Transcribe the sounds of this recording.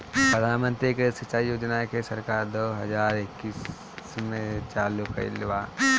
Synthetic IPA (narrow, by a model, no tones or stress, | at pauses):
pɾəd̪ʱaːnmə̃nt̪ɾikesɐt͡ʃajoːd͡ʒnakesɐɾkaːɾd̪oːɦɐd͡ʒaːɾɪkːiːs | mẽt͡ʃaːlukɐ̰ɾḭlʋaː